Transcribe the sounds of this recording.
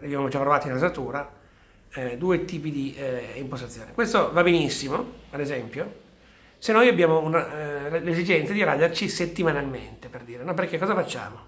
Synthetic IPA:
lebjamod͡ʒapːɾovaːt̪inazat̪uːɾa | d̪uːet̪iːpid̪iimpos̬t̪at̪ːjoːnekwest̪ovabenisːimoad̪ezɛmpjo | senːojabjaːmounalezid͡ʒɛnt̪sad̪iɾa̰d̪ert͡ʃiset̪ːimanalmḛnt̪eperd̪iːɾenɔperkekːɔːzafat͡ʃːa̰ːmo

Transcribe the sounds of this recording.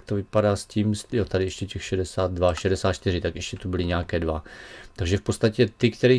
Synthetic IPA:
t̪ovɪpadaːsciːmsjot̪adɪɛʃcɛcɛxʃɛdɛsaːd̪̚dvaʃɛdɛsaːt̪t͡ʃt̪ɪɾɪt̪akʔɛʃcɛt̪ubɪlɪɲɛakɛːdvat̪aɡʒɛfpott͡sst̪acɛt̪ɪkt̪ɛɾiː

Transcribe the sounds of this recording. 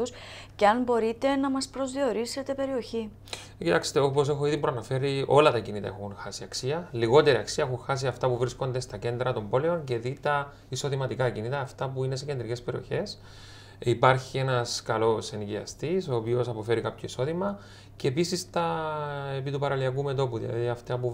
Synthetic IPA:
us | ceɐnbo̞ɾit̪e̞nɐmɐspɾo̞zðio̞ɾise̞t̪e̞pe̞ɾio̞çi | cit̪ɐkst̪eo̞po̞se̞xo̞iðipɾoɐnɐfe̞ɾio̞lɐt̪ɐcinit̪ɐe̞̰xunxɐsiɐksiɐliɣo̞t̪e̞ɾiɐksiɐexuŋxɐs̬iɐft̪ɐpuvɾisko̞nd̪e̞st̪ɐce̞nd̪ɾɐt̪o̞mbo̞leo̞nce̞ðit̪ɐ | iso̞ðimɐt̪ikɐcinit̪ɐːft̪ɐpuine̞s̬e̞cend̪ɾice̞speɾio̞̰çe̞s | ipɐɾçie̞nɐskɐlo̞senɟiɐ̰st̪iso̞ːpio̞sɐpo̞fe̞ɾikɐpçʰo̞iso̞ðimɐ | ce̞ːpisist̪ɐepit̪upɐɾɐliɐkume̞t̪o̞puðḭlɐ̰ðiɐft̪ɐpu

